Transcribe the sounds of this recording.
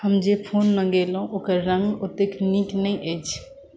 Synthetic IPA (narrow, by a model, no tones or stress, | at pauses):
həmd͡ʒepʰonːəɡelɦũʔokəɾːə̃ŋɡot̪ekniknəjʔəjt͡ʃʰ